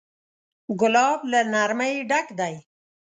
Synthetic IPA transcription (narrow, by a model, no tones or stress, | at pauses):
ɡʊlɑːblanaɾmaiɖakd̪aj